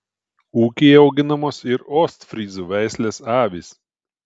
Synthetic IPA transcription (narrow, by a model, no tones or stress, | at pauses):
uːkʲeːɒʊɡʲɪnɐmoːsɪɾoːst̪fʲɾʲiːzuːʋʲæˑɪsʲlʲeːsɑːʋʲiːs